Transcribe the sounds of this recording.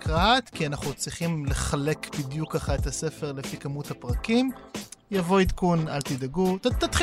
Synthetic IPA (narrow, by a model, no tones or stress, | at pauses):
kat̪kianaχnut͡sʁiχimleχale̞kbid̪jukːaχaet̪ase̞fe̞ʁlefikamuthapʁakimjavo̞it̪kunalt̪id̪aɡut̪at̪ːat̪χ